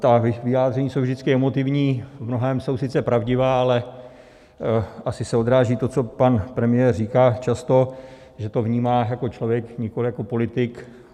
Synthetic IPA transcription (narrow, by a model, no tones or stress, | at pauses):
t̪avɪxvɪjaːd̪r̝ɛɲiːsowvʒd̪ɪt͡skɪɛmo̞t̪ɪvɲiːvmnoɦɛːmso̞wsɪt͡sɛpɾavɟɪvaːalɛ | ʔasɪsɛo̞d̪ɾaːʒiːt̪o̞t͡so̞panpɾɛmɪjɛrriːkaːt͡ʃast̪o̞ | ʒɛt̪o̞vɲiːmaːjako̞t͡ʃlo̞vjɛkɲɪko̞lɪjako̞po̞lɪt̪ɪk